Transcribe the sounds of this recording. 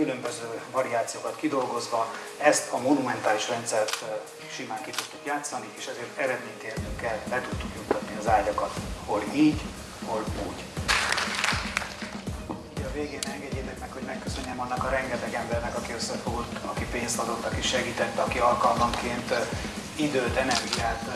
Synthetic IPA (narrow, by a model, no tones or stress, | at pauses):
kylømbøzøːvɒɾiaːt̪sijoːkɒt̪kid̪o̞lɡo̞zʋɒ | ɛst̪ʰɒmonumɛnt̪aːliʃrɛnt̪sɛrt̪ | ʃimaːŋkit̪ut̪ːukjaːt̪sːɒnieːʃɛzeːrt̪ɛɾɛd̪meːɲt̪eːrnyŋkɛlbɛt̪ut̪ːukjut̪ːɒt̪niɒzaːɟɒkɒt̪ho̞liːɟ | ho̞luːɟ | iːɟɒveːɡeːnɛŋɡɛɟeːt̪ɛknɛkho̞ɟmɛkːøsø̞ɲːɛmɒnːɒkɒɾɛŋɡɛt̪ɛɡɛmbɛrnɛkɒkiøsːɛfult̪ɒkipeːnsɒd̪o̞t̪ːɒkiʃɛɡiːt̪ɛt̪ːɛɒkiɒlkɒlmɒŋkeːnt̪ | id̪øːt̪ɛnɛrɡiaːt̪